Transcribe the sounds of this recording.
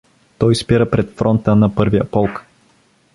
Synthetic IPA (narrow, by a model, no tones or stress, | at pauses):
t̪ɔjspiɾəpɾɛt̪fɾɔnt̪ənɐpɤɾvijəpɔlˠk